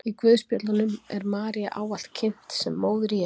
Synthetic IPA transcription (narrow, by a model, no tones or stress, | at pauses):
ikvʏːðspjɔt̪lanʏmɛ̰ɾmaːɾiaʔaːwal̥t̪cʰɪn̥t̪sɛmːoːwðɾia